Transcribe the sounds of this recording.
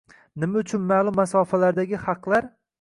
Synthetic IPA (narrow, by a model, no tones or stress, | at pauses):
nɪmaʊt͡ʃʰʊnmalˠʊmːasɒːfalaɾd̪aɡʲɪhɑqlˠaɾ